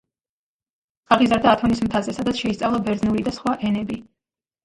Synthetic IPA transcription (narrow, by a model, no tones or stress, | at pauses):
kʼaʁizaɾd̪aːt̪ʰɔnismt̪ʰazɛsad̪at̪sʰʃɛist̪sʼavlˠɔbɛɾd̪znuɾid̪asχwaʔɛnɛbi